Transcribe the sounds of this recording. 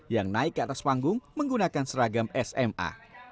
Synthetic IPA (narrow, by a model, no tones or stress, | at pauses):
jaŋnaɪkːat̪aspaŋɡʊŋməŋɡunakansəɾaɡamɛsɛma̰